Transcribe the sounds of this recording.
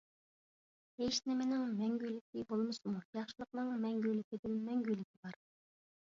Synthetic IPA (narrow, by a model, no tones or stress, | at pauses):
eʃnɪmenɪŋmɛŋɡʲylɪkʲibolˠmɨsmujɑχʃɨlˠəq̚nɨŋmɛŋɡʲylɪkʲid̪ɪnmɛŋɡʲylɪkʲʰibɑɾ